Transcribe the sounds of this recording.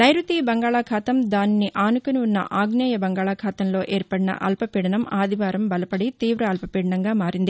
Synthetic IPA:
nɐjɾut̪iːbɐŋɡaːɭaːkʰaːt̪ɐmd̪aːnniʔaːnukuniunːɐ̰ʔaːɡnaːjɐbɐŋɡaːɭaːkʰaːt̪ɐmlo̞ːʔeːɾpɐɽinɐ̰ʔɐ̰lpɐpiːɽɐnɐmaːd̪ʱiʋaːɾɐmbɐlɐpɐɽit̪iːʋɾɐːlpɐpiːɽɐɳɐŋɡaːmaːɾind̪i

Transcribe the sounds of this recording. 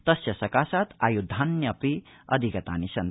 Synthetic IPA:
t̪ʌsjɐsɐkasat̪ʰa̰jud̪ʱanjɐpiʌd̪ʱikɐt̪a̰nisɐn

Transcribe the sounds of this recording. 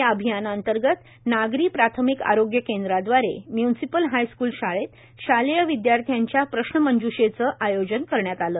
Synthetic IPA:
jaəbʱijanant̪əɾɡət̪ | naɡɾiːpɾat̪ʰəmika̰ɾoɡjəkend̪ɾad̪ʋaɾḛmjunsipəlɦajskuːlɕaɭet̪ | ɕalejəʋid̪jaɾt̪ʰijaɲt͡ɕjapɾəɕɳəməɲd͡ʑuɕet͡səʔajod͡ʑənkəɾɳjat̪aləː

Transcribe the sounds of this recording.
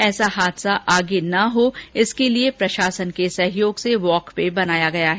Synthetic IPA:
ɛːsaɦaːd̪saʔaːɡenɐɦoːɪskeliepɾɐʃaːsənkesɐɦɪjoːɡseʋɔːkpebɐnaːjaɡɐjaɦɛ

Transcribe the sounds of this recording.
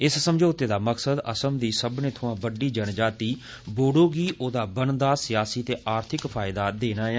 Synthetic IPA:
ɪssəmd͡ʒoːt̪eːd̪aːməksəd̪ə̰səmd̪iːsəbnẽːt̪ʰʊãːbəɖiːd͡ʒənd͡ʒaːt̪iː | boːɽoːɡiːʔoːd̪aːbənd̪aːsɪjaːsiːt̪eːʔaːɾt̪ʰɪkpʰaːɪd̪aːd̪eːnaːɛ

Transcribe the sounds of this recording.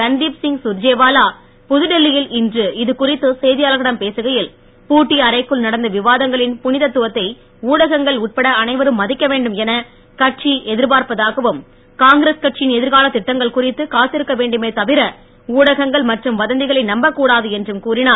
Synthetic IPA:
kɐnd̪iːpsɪŋɡsʊɾd͡ʒeːʋaːlaː | pʊðɯɽɛlːɪjɪlɪndrɯɪðɯkʊrɪt̪ːɯsɛjðɪjaːlɐɣɐɽɐmpeːsɯɣɐjɪl | puːʈːiɐɾɐɪkːɯɭnɐɽɐnd̪ɐʋɪʋaːðɐŋɡɐɭɪnpʊnɪðɐt̪ːʊʋɐt̪ːɐɪ | uːɽɐɣɐŋɡɐɭʊːʈ̚pɐɽɐɐnɐɪʋɐɾɯmːɐðɪkːɐʋeːɳɖɯmɛnɐ | kɐʈ̚t͡ʃiɛðɪɾpaːɾpɐðaːɣɐʋɯm | kaːŋɡɪɾeskɐʈ̚t͡ʃɪjɪnɛðɪɾɣaːlɐt̪ːɪʈːɐŋɡɐɭkʊrɪt̪ːɯkaːt̪ːɪɾɯkːɐʋeːɳɖɯmeːt̪ɐʋɪɾɐ | uːɽɐɣɐŋɡɐɭmɐʈrɯmʋɐðɐnd̪ɪɣɐɭɐɪnɐmbɐkːuːɽaːðɯɛndrɯmkuːrɪnaː

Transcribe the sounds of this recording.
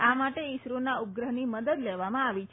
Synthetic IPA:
amaʈeisɾunaup̚ɡɾəɦniməd̪əd̪leʋamãaʋit͡ʃʰ

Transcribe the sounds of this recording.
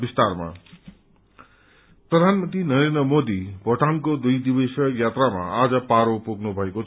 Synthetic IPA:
bist̪arma̰ | prʌd̪ʱanmʌnt̪rinʌɾend̪rʌmod̪ibʱʌʈankod̪ujd̪ibʌsʌjat̪rama̰ad͡zʌpaɾopoɡnubʱʌekot͡sʰ

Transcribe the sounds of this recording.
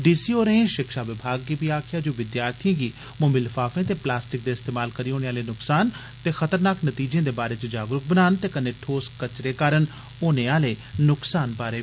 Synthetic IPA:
ɖiːsiːoːɾeẽːʃɪkʃaːʋɪbʱaːɡːiːpiːaːkʰɪjaːd͡ʒõːʋɪd̪jaːɾt̪ʰijãːɡiː | mʊmilfʰaːfẽːt̪eːplaːsʈɪk̚d̪eːɪst̪eːmaːlkəɾiːoːneːaːleːnʊksaːn | t̪eːxət̪əɾnaːknət̪iːd͡ʒẽːd̪eːbaːɾeːt͡ʃəd͡ʒaːɡɾʊk̚bənaːnt̪eːkəneːʈʰoːskət͡ʃɾeːkaːɾən | oːneːaːleːnʊksaːnpaːɾeː

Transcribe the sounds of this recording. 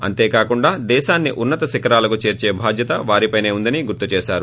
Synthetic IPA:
ɐ̰nt̪e̞ːkaːkuɳɖaːd̪ɛːʃaːnːiʔunːɐt̪ɐʃikɐɾaːlɐkut͡ʃe̞ːɾt͡ʃeːbʱaːd̪ʱjɐt̪ɐʋaːɾipɐjne̞ːund̪ɐniɡuɾt̪ut͡ʃɛːʃaːɾu

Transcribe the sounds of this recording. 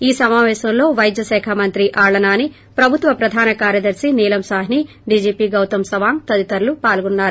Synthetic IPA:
iːsɐmaːʋɛːʃɐmlo̞ːʋɐjd̪jɐʃɛːkʰamɐnt̪ɾiʔaːɭɐnaːni | pɾɐbʱut̪ʋɐpɾɐd̪ʱaːnɐkaːɾjɐd̪ɐɾsiniːlɐmsaːɦni | ɖiːd͡ʒiːpiːɡɐwt̪ɐmsɐʋaːŋt̪ɐd̪it̪ɐɾlupaːlɡunːaːɾu

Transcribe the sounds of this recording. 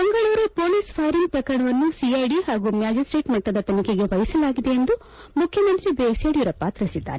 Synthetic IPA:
bɐŋɡɐɭuːɾupo̞ːlispʰaːɾiŋp̪ɐkɐɾɐɳɐʋɐnːusiɐjɖihaːɡumjaːd͡ʒisʈɾe̞ːʈmɐʈːɐd̪ɐt̪ɐnikeɡeʋɐjisɐlaːɡid̪e̞end̪u | mukʰjɐmɐnt̪ɾibeːseɽijuɾɐpaːt̪ɾɐsid̪ːa̰ːɾe

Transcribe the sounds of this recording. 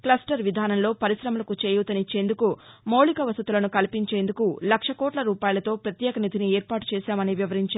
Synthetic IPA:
klɐsʈɐɾʋid̪ʱaːnɐnlo̞ːpɐɾisɾɐmɐlɐkut͡ʃeːjuːt̪ɐnit͡ʃːe̞ːnd̪ukumowɭikɐʋɐsut̪ulɐnukɐlipiɲt͡ʃe̞ːnd̪ukulɐkʂɐkɔːʈlɐɾuːpaːjɐlɐt̪o̞ːpɾɐt̪jɛːkɐnid̪ʱiniɛːɾpaːʈu̥t͡ʃɛːsaːmɐniʋiʋɐɾiɲt͡ʃa

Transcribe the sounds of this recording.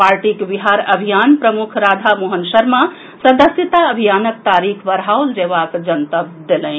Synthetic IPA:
paɾʈikbiɦaɾəbʱijanpɾəmukʰɾad̪ʱamuɦənsəɾma | səd̪əsjət̪aəbʱijanək̚t̪aɾikʰʋəɾɦawld͡ʒeβakd͡ʒənt̪əb̚d̪elə̃ɪ̃

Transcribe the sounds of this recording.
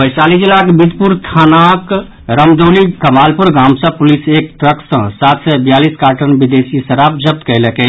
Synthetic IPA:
bəɪsalid͡ʒilakbid̪puɾt̪ʰanak | ɾəmd̪onikəmalpuɾɡamsə̃pulisek̚ʈɾəksə̃sat̪ʰsɛbjaliskaɾʈənbid̪esisəɾap̚d͡ʒəp̚t̪kələkɛ

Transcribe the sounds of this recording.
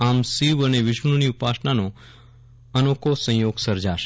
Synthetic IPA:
amsiʋəneʋɪʃənoniupasɳano | ənokosə̃joɡsəɾd͡ʒaʃe

